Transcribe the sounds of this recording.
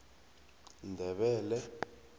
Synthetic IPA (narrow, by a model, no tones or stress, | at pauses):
ndʱɛɓɛːlɛ